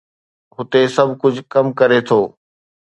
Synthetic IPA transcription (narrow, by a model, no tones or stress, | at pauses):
ɦʊt̪esɐbʱkʊd͡ʑʱkɐmkɐɾet̪ʰoː